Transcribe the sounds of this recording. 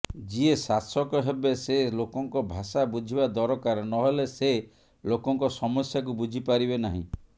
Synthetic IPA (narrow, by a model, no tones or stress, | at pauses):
d͡ʒiesasɔkɔɦebeselokɔŋkɔbʱasabud͡ʒʱibad̪ɔɾɔkaɾnɔɦelese | lokɔŋkɔsɔmɔsjak̬ubud͡ʒʱipaɾibenaɦḭ̃